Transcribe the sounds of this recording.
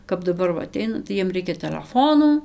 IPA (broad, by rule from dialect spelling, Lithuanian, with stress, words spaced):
kɐp dɐˈbɐr ˈʋɐ ɐˈtʲɛɪnɐ tɐɪ ˈjiɛm ˈrʲɛɪkʲɛ tʲɛlʲɛˈfoːnuː